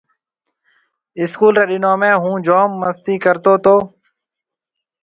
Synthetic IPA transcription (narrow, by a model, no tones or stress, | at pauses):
ɪskuːlɾeːɗɪnoːmẽːɦũːd͡ʒoːmːəst̪iːkəɾt̪oːt̪oː